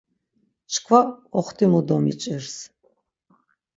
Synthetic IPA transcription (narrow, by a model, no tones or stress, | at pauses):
t͡ʃʰkʰvaɔχt̪ʰimud̪ɔmḭt͡ʃʼirs